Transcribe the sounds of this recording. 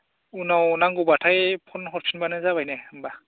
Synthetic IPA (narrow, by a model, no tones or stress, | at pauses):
unawnaŋɡubatʰajpʰɔnxɔɹpʰinbanɯzabajnɛmba